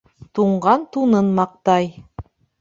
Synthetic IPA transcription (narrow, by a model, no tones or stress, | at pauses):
t̪uɴɢɑnt̪unɤnmɑq̚t̪ɑj